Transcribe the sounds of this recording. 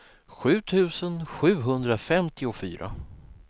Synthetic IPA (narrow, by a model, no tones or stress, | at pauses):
ɧʉ̟ːt̪ʰʉ̟ːsənɧʉ̟ːɦɵnd̪ɾafɛmt̪ʰɪʊfy̰ːɾʔa̰